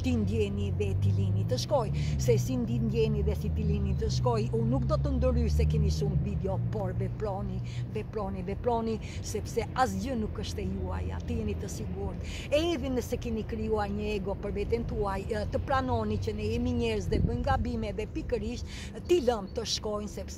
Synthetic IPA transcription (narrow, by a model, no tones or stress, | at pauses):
t̪ind̪jɛniðɛt̪ilinit̪əʃkɔj | sɛsind̪ind̪jɛniðɛsit̪ilinit̪əʃkɔjunuk̚d̪ɔt̪ənd̪əɾysɛkɛnisuŋvid̪ɛɔpɔɾvɛpɾɔni | vɛpɾɔnivɛpɾɔni | sɛpsɛas̬ɟənukəʃt̪ɛjua̰ja̰t̪əjɛnit̪əsiɡuɾt̪ | ɛiðinəsɛkɛnikɾijuaɾɲəɛɡɔpəɾvɛt̪ɛnt̪uajt̪əpɾanɔnicənɛɛmiɲɛɾəzðɛbəjŋɡabimɛðɛpikəɾiʃ | t̪iləmt̪əʃkɔjnsɛps